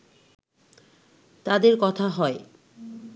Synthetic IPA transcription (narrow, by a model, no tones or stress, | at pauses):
t̪ad̪eɾkɔt̪ʰaɦɔe